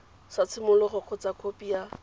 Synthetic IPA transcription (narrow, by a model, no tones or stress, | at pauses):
sat͡sʰɪmʊlʊχʊq͡χʰɔt͡sakʰopia